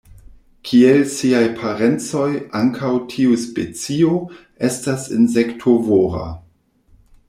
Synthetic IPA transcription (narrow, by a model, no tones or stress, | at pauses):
kʰielsiajpʰaɾent͡so̞jaŋkʰawtʰiuspet͡sio | estasinzektʰovoɾa̰